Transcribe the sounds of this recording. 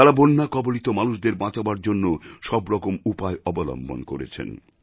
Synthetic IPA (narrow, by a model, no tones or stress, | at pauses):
aɾabonːakɔbolit̪omanuʃd̪eɾbãt͡ɕabaɾd͡ʑonːoʃɔbɾɔkomupaeɔbolɔ̰mbʱo̰nkoɾḛt͡ɕʰḛn